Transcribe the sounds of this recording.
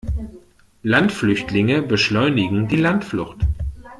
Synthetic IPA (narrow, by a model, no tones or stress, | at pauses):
lantflʏçtʰlɪŋəbəʃlɔʏnɪɡŋ̩diːlantflʊxt